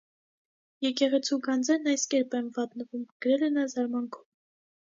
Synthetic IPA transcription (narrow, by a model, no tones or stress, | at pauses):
jɛkɛʁɛt͡sʰuɡɑnd͡zɛɾnɑjskɛɾpɛnvɑt̪nəvumɡ̥əɾɛlɛnɑzɑɾmɑnkʰɔ̥m